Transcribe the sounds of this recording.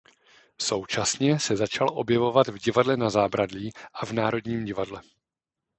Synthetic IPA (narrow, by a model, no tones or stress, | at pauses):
so̞wt͡ʃasɲɛsɛzat͡ʃalʔo̞bjɛvo̞vat̪vɟɪvadlɛnazaːbɾadliːʔavnaːɾo̞dɲiːmɟɪvadlɛ